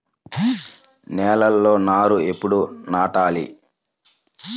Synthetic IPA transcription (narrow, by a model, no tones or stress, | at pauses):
nɛːlɐlːo̞ːnaːɾue̞pːuɽunaːʈaːlḭ